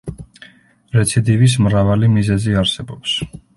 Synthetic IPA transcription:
ɾɛt̪sʰid̪ivis̬mɾavalimizɛziaɾsɛbɔps

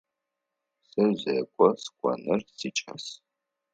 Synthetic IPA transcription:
sɐzʑeːkʷʼɔskʷʼɔ̰nɨrsiːt͡ʃʼɐs

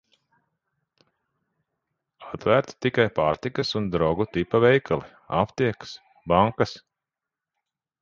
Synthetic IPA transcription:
at̪væɾt̪t̪ikajpaːɾt̪ikɐsund̪ɾɔɡut̪ipavɛjkʰalˠi | a̰pt̪iɛks | baŋkas

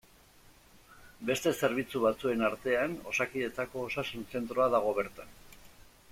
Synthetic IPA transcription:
be̞st̪e̞se̞ɾβ̞it͡suβat͡sue̞naɾt̪e̞ano̞̰sakiðe̞t͡s̪ako̞ːsasunse̞nt̪ɾo̞aðaɣ̞o̞β̞e̞ɾt̪an

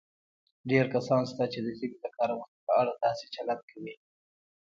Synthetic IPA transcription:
ɖeɾkasɑnst̪at͡ʃed̪əsibid̪əkɑɾawəxt̪ipəaɽad̪ɑset͡ʃalat̪̚kʰawi

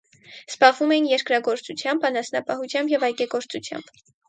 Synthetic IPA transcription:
sbɑʁvumɛjinjɛɾkɾɑɡɔɾt͡sut͡sʰjɑmbɑnɑsnɑpɑhut͡sʰjɑmbjɛvɑjɡɛɡɔɾt͡sut͡sʰjɑ̰mb̥

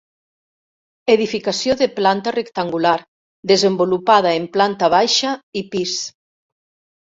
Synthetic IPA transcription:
eðifikasjoðeplant̪arekt̪aŋɡulaɾ | ðezembolupað̞aemplant̪aβ̞ajʃaipis

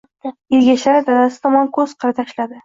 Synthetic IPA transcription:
elɡʲaʃlaɾɪd̪ʰalasɪ̥t̪ʰɒmɒnkʰɵz̥qʰɨɾɪt̪ʰaʃlad̪ɪ

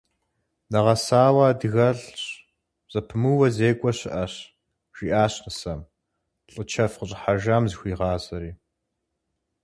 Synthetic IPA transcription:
nɐʁɐsaːwaːdɨɣɐɮɕ | z̥ʼɐpʰɨmuwɐzeːkʷʼɔɕɪʔɐɕ | ʒ̥iʔaːɕqəsɐm | ɬʼɨt͡ʃʰɐfqəɕʼħaʒaːmzxʷiːʁɑːzɐɾiː

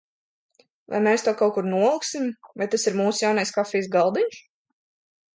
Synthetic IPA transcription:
va̰jmeːst̪uɔkawkuɾnuɔlˠiksimvajt̪asiɾmuːsjawnajskafʲɛjs̬ɡalˠd̪inʃ

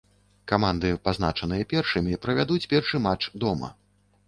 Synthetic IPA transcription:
kamand̪ɨpaznat͡ʂɐnɨjɐpʲɛrʂɨmʲipɾɐvʲad̪ut͡sʲpʲɛrʂɨmat͡ʂd̪ɔmɐ̰

